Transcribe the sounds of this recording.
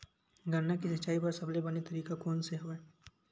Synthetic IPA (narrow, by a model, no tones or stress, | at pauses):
ɡʱəɾnakisɐt͡ʃaːipɐɾsɐblebɐnit̪ɐɾiːkakɔːnseɦoːɛ